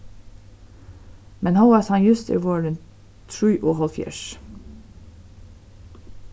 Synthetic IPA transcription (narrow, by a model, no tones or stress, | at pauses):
mɛnhɑʊɑshɑnjʉst̪ʰḭːʋoːɹən | t̪ʰɹʉːʔuːhɔlfjæ̰ʃ